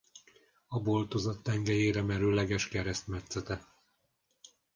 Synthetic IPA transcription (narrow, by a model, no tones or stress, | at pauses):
ɒbo̞lt̪ozɒt̪ːɛŋɡɛjeːɾɛmɛɾylɛɡɛʃkɛɾɛst̪mɛt̪sɛt̪ɛ